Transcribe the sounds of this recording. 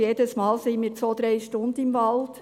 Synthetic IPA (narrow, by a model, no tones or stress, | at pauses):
jeːdəsmɑːlsinmiːɾt͡sʋoːd̪ɾeɪʃtʊnd̪əɪmvɑld̥